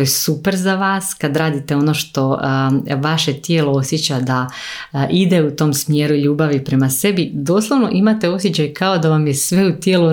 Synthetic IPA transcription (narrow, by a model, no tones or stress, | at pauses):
ojesupeɾzaʋaːskad̪ɾaːd̪it̪eo̞no̞ːʃt̪o̞ | ʋaʃe̞t̪je̞ːloosjet͡ɕad̪a | ʔid̪e̞ut̪o̞ːmsmje̞ːɾuiʎuːbaʋipɾe̞mase̞bid̪o̞slˠaʋno̞ʔimat̪e̞o̞sjet͡ɕajkao̞d̪aʋamjesʋeut̪jeːlu